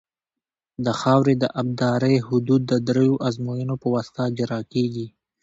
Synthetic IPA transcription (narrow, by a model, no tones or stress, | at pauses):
d̪əxɑwɾed̪əʔab̚d̪ɑɾəjhʊd̪ud̪̚ːəd̪ɾejoʔazmojənopəwast̪ad͡ʒaɾɑkeɡi